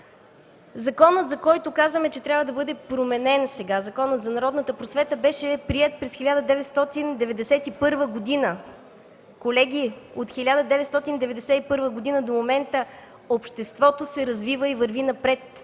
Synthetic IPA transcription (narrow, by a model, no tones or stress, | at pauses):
zɐkɔnət̪zɐkɔjt̪okazvəmɛt͡ʃɛt̪ɾʲabvəd̪ɐbɤd̪ɛpɾomɛnɛnsɛɡazɐkɔnət̪zɐnɐɾɔd̪nət̪əpɾosvɛt̪əbɛʃɛpɾiɛt̪̚pɾɛsxilʲad̪əd̪ɛvɛt̪st̪ɔt̪ind̪ɛvɛd̪ɛsɛt̪ipɤɾvəɡod̪inə | kolɛɡ̟ʲiot̪xilʲad̪əd̪ɛvɛt̪st̪ɔt̪ind̪ɛvɛd̪ɛsɛipɤɾvəɡod̪inəd̪omomɛnt̪ə | opʃt̪ɛst̪vɔt̪osɛɾɐzvivəivɐɾvinɐpɾɛt̪